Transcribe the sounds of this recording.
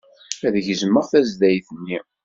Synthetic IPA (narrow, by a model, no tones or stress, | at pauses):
æðəʝəzəmːəʁθæzðæjθənːi